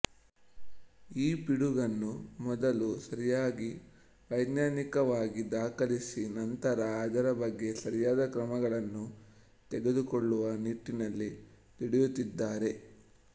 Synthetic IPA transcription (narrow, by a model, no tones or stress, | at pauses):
iːpiɽuɡɐnːumɔd̪ɐlusɐɾijaːɡi | ʋɐjɡ̪naːnikɐʋaːɡid̪aːkɐlisinɐnt̪ɐɾɐːd̪ɐɾɐbɐɡːe̞sɐɾijaːd̪ɐkɾɐmɐɡɐɭɐnːu | t̪ɛɡe̞d̪ukɔɭːuʋɐniʈːinɐlːi | t̪iɽijut̪ːid̪ːaːɾe̞